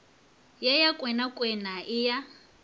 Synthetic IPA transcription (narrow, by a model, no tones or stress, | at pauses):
jɛjakʼwɛnakʼwɛnaʔɪja